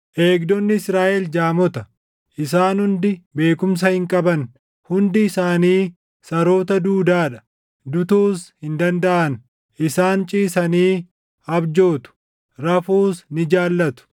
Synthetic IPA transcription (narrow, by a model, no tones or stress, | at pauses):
ʔe̞ːɡd̪ɔnːɪɪsɾaːʔɛld͡ʒaːmɔt̪ɐ | ʔɪs̬aːnhʊnd̪ɪbe̞ːkʊms̬ɐhɪŋkʼɐbɐn | hʊnd̪ɪːsaːniː | sɐɾo̞ːt̪̬ɐd̪uːd̪aːᶑɐ | d̪ʊt̪uːshɪnd̪ɐnd̪ɐʔɐn | ʔɪsaːnt͡ʃʼiːsɐniː | ɐbd͡ʒo̞ːt̪ʊ̥ | ɾɐfuːsnɪd͡ʒaːlːɐt̪ʊ̥